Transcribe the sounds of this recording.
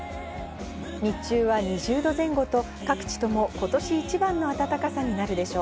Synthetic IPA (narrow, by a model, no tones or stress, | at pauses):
ɲit͡ɕɨːβaɲ̟iʑɨːd̪o̞zẽ̞ŋɡo̞t̪o̞ | kakɯ̟̥t͡ɕi̥t̪o̞mo̞ko̞t̪o̞ɕiːt͡ɕibãnːo̞at̪at̪akasaɲ̟inaɾɯ̟d̪e̞ɕo̞ː